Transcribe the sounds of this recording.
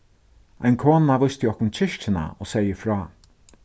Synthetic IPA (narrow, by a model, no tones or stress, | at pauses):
ajnkʰoːnːavʊst̪jɪɔhkʊnt͡ʃʰɪʃt͡ʃɪna̰ɔsɛjəfɾɔː